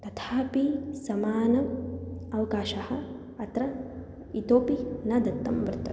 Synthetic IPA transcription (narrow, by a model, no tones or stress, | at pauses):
t̪ɐt̪ʰaːpisɐmaːnɐ | ɐʋɐkaːʃɐhɐ̆ | ɐt̪ɾɐ | it̪oːpinɐd̪ɐt̪ːɐmʋɾt̪ɐ